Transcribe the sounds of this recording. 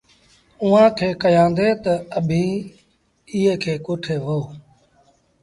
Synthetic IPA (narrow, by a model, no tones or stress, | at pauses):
uːãːkʰeːkəjãːnd̪eːt̪əəbʱĩː | ɪɦẽːkʰeːkoːʈʰeːʋoː